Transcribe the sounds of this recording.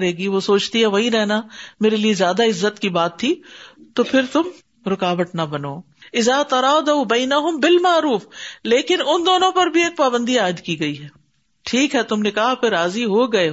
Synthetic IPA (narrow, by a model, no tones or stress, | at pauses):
ɾɦeːɡiʋosoːt͡ʃt̪iɦɛʋɐɦĩɾɛɦnameːɾeliezjaːd̪aɪzːət̪kibaːt̪ʰːit̪opʰɪɾt̪ʊm | ɾɪkaːʋəʈnabɐnoː | ɪzaːt̪ɐɾɑːd̪aubɐɪnɐɦʊmbɪlmaːɾuːfleːkɪnʊnd̪oːnõpɐɾbʱieːk̚paːbə̃nd̪iaːɪd̪kiɡɐiɦɛː | ʈʰiːkɦɛt̪ʊmnekɐɦapʰɪɾːaːziɦoɡɐe